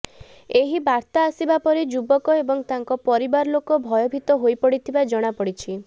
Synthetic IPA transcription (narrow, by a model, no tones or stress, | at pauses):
eɦibaɾt̪aːsibapɔɾed͡ʒubɔkɔebɔŋt̪aŋkɔpɔɾibaɾɔlokɔbʱɔjɔbʱit̪ɔɦojpɔɽit̪ʰibad͡ʒɔɽ̃apɔɽit͡ʃʰi